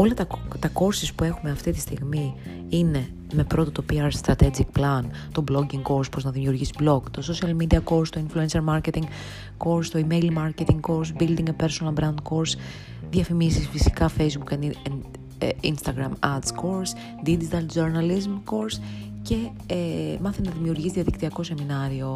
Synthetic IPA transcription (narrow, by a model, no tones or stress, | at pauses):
o̞lɐt̪ɐt̪ɐko̞ɾsispue̞xumeɐft̪it̪i̥st̪iɣmi | ine̞ | me̞pɾo̞t̪ot̪opiɐɾst̪ɾɐt̪ed͡zikplɐn | t̪o̞blo̞ɟiŋɡko̞ɾspɾo̞znɐðimiuɾʝisi̥blo̞ɡt̪o̞so̞siɐlmid̪iɐko̞ɾst̪o̞influenseɾmɐɾcet̪iŋɡ | ko̞ɾst̪oimejlmɐɾcet̪iŋɡkoɾsbild̪iŋɡepe̞ɾsonɐlbɾɐnd̪̚ko̞ɾs | ðjɐfimisisfisi̥kɐfe̞jzbukenen | inst̪ɐɡɾɐmɐɾt̪sko̞ɾs | d̪id͡ʒit̪ɐld͡ʒoɾnɐlizmko̞ɾs | ce̞ | emɐθennɐðimiuɾʝisðiɐðikt̪iɐko̞se̞minɐɾio̞